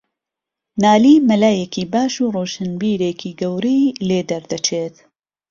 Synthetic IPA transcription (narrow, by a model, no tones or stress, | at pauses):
naːliːmɐlaːjekiːbaːʃuːroːʃɐnbiːɾeːkʰiːɡɐwɾijleːd̪ɐɾd̪ɐt͡ʃʰeːt̪